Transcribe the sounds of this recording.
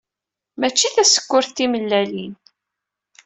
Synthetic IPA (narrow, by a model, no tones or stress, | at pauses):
mæt͡ʃːiθæsə̥kʷːʊɾθtiməlːælin